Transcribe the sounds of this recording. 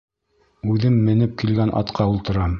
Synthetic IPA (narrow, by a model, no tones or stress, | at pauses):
ʉðɘmːɘ̆nɘp̚kilɡænʔɑ̰t̪qʰɑulˠt̪ɤ̆ɾɑm